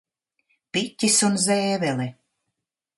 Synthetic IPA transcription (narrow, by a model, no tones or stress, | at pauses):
pit̪ʲːisunzɛːvɛli